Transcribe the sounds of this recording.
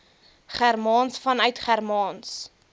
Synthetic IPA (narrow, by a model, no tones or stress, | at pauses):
χærmɑːnsfɐnœɥtχærmɑːns